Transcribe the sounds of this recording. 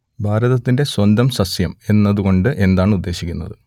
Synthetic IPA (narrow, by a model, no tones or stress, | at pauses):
bʱaːɾɐðɐt̪ːinde̞swɐnd̪ɐmsɐsjɐme̞nːɐðuɣo̞ɳɖɨʔe̞nd̪aːɳɨud̪ːe̞ːɕikʲːunːɐ̰ðɨ